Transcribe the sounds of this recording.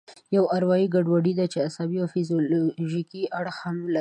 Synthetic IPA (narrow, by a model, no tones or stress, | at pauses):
jawaɾwɑjiɡaɖwaɽid̪at͡ʃeasɑbiawfizioloʒikiʔaɽxamla